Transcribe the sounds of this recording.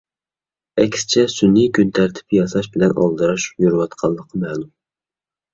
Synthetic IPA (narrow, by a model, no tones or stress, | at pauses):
ɛkʲsɪ̥t͡ʃʰɛsynikʲynt̪ʰæɾt̪ʰɪ̥pjɑsɑʃbɪlɛnɑ̰lˠd̪ɨɾɑʃjuɾɨwɑt̪qʰɑlˠːəqʰːmɛːlˠum